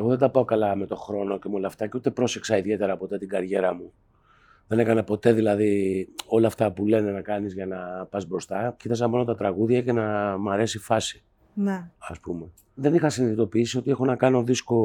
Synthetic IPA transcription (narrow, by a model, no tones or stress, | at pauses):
eɣo̞ðe̞d̪ɐpɐo̞kɐlɐme̞t̪o̞xɾo̞no̞cemolɐft̪ɐceut̪e̞pɾo̞se̞ksɐiðie̞t̪e̞ɾɐpo̞t̪e̞t̪iɡɐɾʝe̞ɾɐmu | ðe̞ne̞kɐnɐpo̞t̪e̞ðilɐðio̞lɐːft̪ɐpule̞ne̞nɐkɐnizʝɐnɐpɐzbɾo̞st̪ɐcit̪ɐs̬ɐmo̞no̞t̪ɐt̪ɾɐɣuðʝɐce̞nɐmɐɾe̞sifɐsi̥ | neɐspume̞ | ðe̞nixɐsiniðit̪o̞piisio̞t̪ie̞xo̞nɐkɐno̞ðisko̞